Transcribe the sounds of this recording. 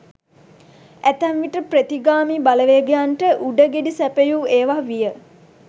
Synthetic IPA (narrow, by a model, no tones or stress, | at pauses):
æt̪æmʋiʈəpret̪iɡaːmiːbaləʋeəɡejanʈəʔuɖəɡeɖisæpejuːeːʋaʋijə